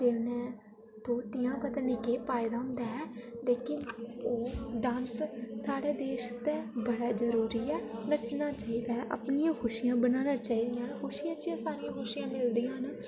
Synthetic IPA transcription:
t̪eːnɛ̃ː | t̪oːt̪ɪjãːpət̪aːnikeːpaːid̪aːɦʊ̃nd̪aːɛːleːkɪnoːɖãːnssaːɽeːd̪eːʃt̪ẽːbəɽaːzəɾuːɾiːɛːnət͡ʃnaːt͡ʃaːiːd̪aːɦɛʔa̰pnɪjãːkʰʊʃɪjãːbənaːnãːt͡ʃaːiːd̪ɪjãːnkʰʊʃɪjãːt͡ʃɪãːsaːɾɪjãːkʊʃɪjãːmɪld̪ijãːn

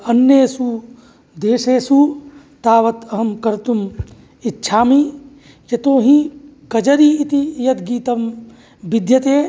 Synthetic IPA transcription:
ɐnjesu | d̪eːʃeːsuː | t̪aːʋɐt̪ɐɦɐmkɐɾt̪um | itːʃʰaːmiː | ket̪oːɦĩkɐd͡ʒɐɾiːt̪ijɐt̪ɡiːt̪ɐm | bɪd̪jɐt̪eː

